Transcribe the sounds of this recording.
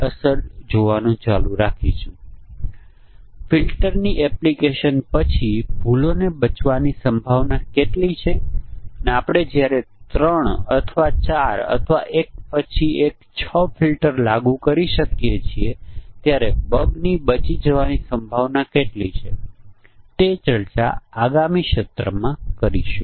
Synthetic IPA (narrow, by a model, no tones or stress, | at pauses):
əsəɾd͡ʒoʋanũt͡ʃaluɾakʰit͡ʃʰũ | filʈəɾniʔɛplikeʃənpət͡ʃʰibʱulonebət͡ʃʋanisə̃mbʱaʋnakeʈlit͡ʃʰeəneapɽ̃ed͡ʒjaɾet̪ɾəɳə̰t̪ʰʋat͡ʃaɾə̰t̪ʰʋa̰ʔek̚pət͡ʃʰiekt͡ʃʰəfʰilʈəɾlaɡũkəɾiʃəkjet͡ʃʰiet̪jaɾebəbnibət͡ʃid͡ʒəʋanisəmbʱaʋnakeʈlit͡ʃʰe | t̪et͡ʃəɾt͡ʃa̰aɡamiʃət̪ɾə̰mãkəɾḭʃe